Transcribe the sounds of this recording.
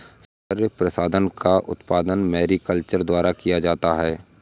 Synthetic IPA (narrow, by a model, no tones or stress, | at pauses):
s | əɾjəpɾəsaːd̪ənkaʔʊ̰t̪paːd̪ənmɛːɾikəlt͡ʃəɾd̪waːɾakijad͡ʒaːt̪aɦɛː